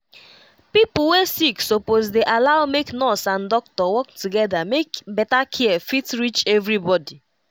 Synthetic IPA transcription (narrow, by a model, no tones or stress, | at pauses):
pipʊl̩wesiksopozdeʔalaʊmeknɔsãndɔk̚tɔwɔk̚tuɡɛdamekbɛtakʰiɛfitɹit͡ʃɛvɾibɔdi